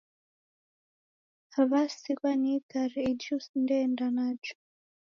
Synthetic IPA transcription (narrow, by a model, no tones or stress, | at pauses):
haβasikwanitaɾɛid͡ʒusndɛndanad͡ʒu̥